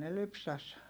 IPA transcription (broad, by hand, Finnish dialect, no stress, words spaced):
ne lypsæs